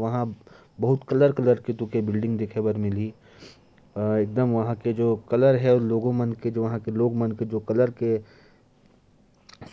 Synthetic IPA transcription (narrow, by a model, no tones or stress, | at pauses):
ʋɐɦã | bɐɦʊt̪kɐləɾkɐləɾket̪ũkebɪlɖɪ̃ŋɡd̪eːkʰebəɾmɪli | eːk̚d̪əmʋɐɦãked͡ʒoːkɐləɾɦɛɔɾloːɡõmənked͡ʒoʋɐɦãkeloːɡmənked͡ʒoːkɐləɾke